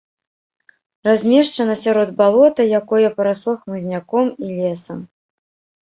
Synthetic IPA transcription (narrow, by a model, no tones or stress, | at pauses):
razʲmʲɛʂt͡ʂɐnɐsʲaɾɔd̪̚balˠɔt̪ɐjakɔjɐpɐɾaslˠɔxmɨzʲnʲakɔmilʲɛsɐm